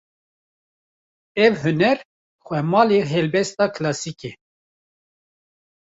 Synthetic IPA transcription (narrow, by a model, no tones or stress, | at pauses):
ɛvhɨnɛɾ | xʷɛmɑːliɦɛlbɛst̪ɑːkʰlɑːsike